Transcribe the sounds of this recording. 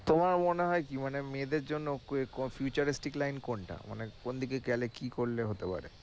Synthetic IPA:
t̪omaɾmoneɦɔekimanemed̪eɾd͡ʑonːokekofʰjut͡ɕaɾisʈiklajnkoɳʈa̰ma̰nekond̪ʱikekɛlekikoɾleɦot̪epa̰ɾḛ

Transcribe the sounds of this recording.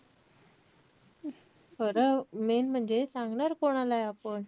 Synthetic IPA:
fəɾəmenm̤əɳd͡zesãŋɡɳaɾkoɽ̃alajapəɳ

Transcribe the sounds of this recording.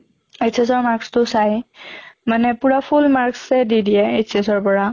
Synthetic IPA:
etʰas̬ɔɹmaɹkstʊsaj | manɛpuɹapʰulmaɹksɛdidiɛetʰiasɔɹpɔɹa

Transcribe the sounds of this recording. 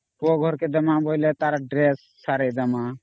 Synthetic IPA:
poɡʱɔɾked̪əmãːboilet̪aːɾaɖɾesːaːɾed̪əmã

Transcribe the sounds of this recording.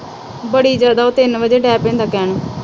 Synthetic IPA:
bəɽiːd͡ʒjaːd̪aːoːt̪ɪnʋəd͡ʒeːɖɛːpẽːnd̪aːkɛːnoː

